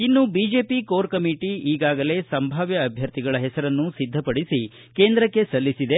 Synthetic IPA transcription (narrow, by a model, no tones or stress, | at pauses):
inːubiːd͡ʒe̞ːpikoːɾkɐmiʈiiːɡaːɡɐle̞sɐmbʱaːʋjɐːbʱjɐɾt̪iɡɐɭɐɦɛsɐɾɐnːusid̪ʱːɐpɐɽisi | keːnd̪ɾɐkːe̞sɐlːisid̪e̞